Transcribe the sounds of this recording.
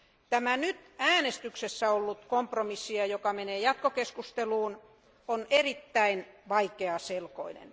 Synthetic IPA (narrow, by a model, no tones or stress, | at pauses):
t̪æmænyt̪æːnest̪yksesːæolːut̪kompromisːiɑjokɑmeneːjɑt̪̚kokeskust̪eluːn | onerit̪ːæinʋɑikeɑselko̰inḛn